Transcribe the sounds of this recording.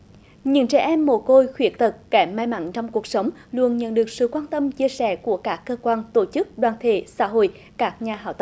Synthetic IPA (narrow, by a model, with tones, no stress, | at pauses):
ɲɨ̰˧˥ŋt͡ɕɛ̰˧˩ʔɛ˧mːo˧˩ko˧jxwi˨˦˥ək̚t̪ə˨˩t̚ːɛ˧˩mːaː˧jma̰˧˥nt͡ɕɔ˧wŋ͡mku˨˩ək̚sə˨˦wŋ͡mlu˧ənɲə̰˧˨nɗɨ˨˩ək̚sɨ̰˧˨kwaː˧nt̪ə˧mt͡ɕi˧əsɛ̰˧˩ku˧˩əkaː˦˥kːəː˧kwaː˧nt̪o˧˩t͡ɕɨ˦˥k̚ɗwaː˨˩nt̪ʰḛ˧˩sa̰ː˧˥ɦo̰˧˨j | kaː˦˥k̚ɲaː˨˩ɦa̰ː˧˩wt̪ə˧˨